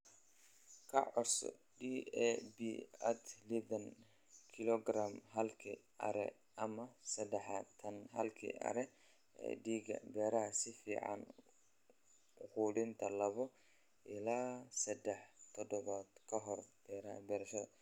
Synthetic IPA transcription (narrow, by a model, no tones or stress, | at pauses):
kʰɐ̰ʕɔrsɔ̰ | ɖiːɛbiːɐt̪ʰliðɐn | kʰɪlɔɡramɦɐlkʰḭ | ʔɐ̰ɾɛ̰ | ɐmɐsɐd̪ɛħat̪ʰɐnɦɐlkʰḭʔɐ̰ɾɛ | ɛ̰ɖiːɡɐ̰bɛːɾɐɦɐsɪfḭːʕɑ̰n | ʊquːɽɪnt̪ʰɐlɐβɔ | ʔɪlaːsɐd̪ɛħt̪ʰɔd̪ɔβaːd̪kʰɐɦɔrb̥ɛːɾɐbɛːɾɐʃɐðɐ